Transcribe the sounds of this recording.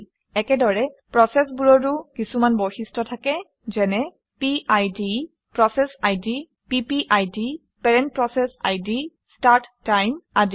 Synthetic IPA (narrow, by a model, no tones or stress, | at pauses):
ɛkɛdɔɹɛpɹɔsɛsbuɹɔdukisumanbɔjxistɹɔtʰakɛ | zɛnɛ | piʔajdi | pɹɔsɛsajdi | pipiʔajdi | pɛɹɛnt̚pɹɔsɛsa̰jdi | staɹtːajmadi